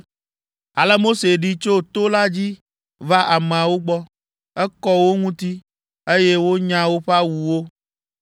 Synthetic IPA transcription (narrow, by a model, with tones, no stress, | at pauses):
a˨lɛ˦mo˦se˨ɖi˦t͡ʃo˦t̪o˦la˦d͡ʑi˦ | va˦ʔa˨mẽ˨a˨wo˦ɡ͡bɔ˦ | ɛ˦kɔ˦wo˦ŋũ˦t̪i˦ | e˦je˦wo˦ɲã˦wo˦ɸa˦wu˨wo˦